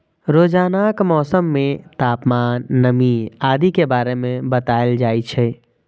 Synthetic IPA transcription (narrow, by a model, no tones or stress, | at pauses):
ɾoːd͡ʒaːnakmɔːsəmːẽt̪aːpmaːnːəmiaːd̪ikebaːɾemẽbət̪aːeld͡ʒaːit͡ʃʰɛ